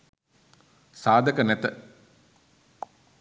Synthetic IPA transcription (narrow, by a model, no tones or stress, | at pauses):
saːd̪əkənɛt̪ə